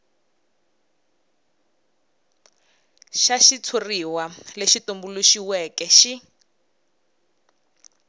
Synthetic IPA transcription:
ʃaʃit͡sʰuriwaleʃitumbuluʃiwɛkɛʃi

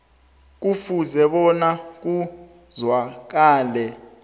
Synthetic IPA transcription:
k̬ufuzɛɓɔnak̬u | zwak̬aːlɛ

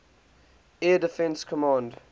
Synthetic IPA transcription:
ɛdɪfɛ̃nskʰɔmɑ̃nd

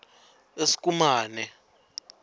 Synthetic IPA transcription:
esi̥k̬ʼumaːnɛ

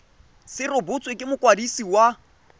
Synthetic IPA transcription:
sɪrʊbʊt͡sʼwekʼɪmʊkʼwadisiwa

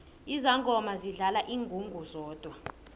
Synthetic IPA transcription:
izaŋɡʼɔmaziɮalaʔiːŋɡʱuŋɡʱuzɔːd̥ʱwa

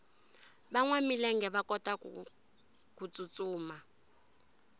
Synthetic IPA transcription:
baŋwamilɛŋɡɛβakʼɔtʼa | kut͡sʼut͡sʼuːma

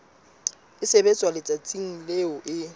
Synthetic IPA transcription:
ɪsebet͡sʼwalɪt͡sʼat͡sʼiŋ̩leʊʔɪ

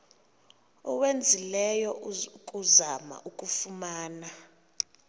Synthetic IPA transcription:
ɔwend͡zʱilɛjɔkʼuzama̰ʔukʼufumaːna

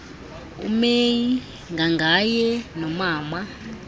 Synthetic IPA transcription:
ṵmeji | ŋɡaŋɡʱajɛnɔmaːma

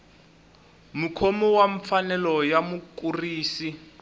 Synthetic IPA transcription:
mukʰɔmɔwaɱfanɛlɔjamukuriːsi

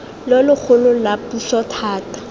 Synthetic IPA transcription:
lɔlʊk͡xʰʊlʊlapuɬɔtʰaːtḁ

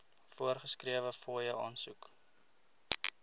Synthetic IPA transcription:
fuərχəskriəvəfoːjəʔɑːnsuk

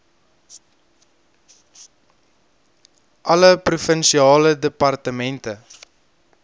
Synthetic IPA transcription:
ʔɐləprufənʃiɑːlədəpɐrtəmɛntə

